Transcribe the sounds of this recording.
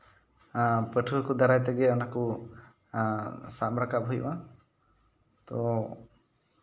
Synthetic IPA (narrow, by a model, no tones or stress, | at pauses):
pəʈʰuɦkud̪aɾajt̪ɛɡɛɔnaku | sambɾakapɦujba | t̪ɔ